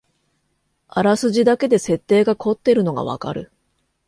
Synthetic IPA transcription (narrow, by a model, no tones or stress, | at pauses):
aɾasɨʑid̪ake̞d̪e̞se̞t̪ːe̞ːɡakʰo̞t̪ːe̞ɾɯ̟no̞ɡa̰β̞a̰ka̰ɾɯ̟̰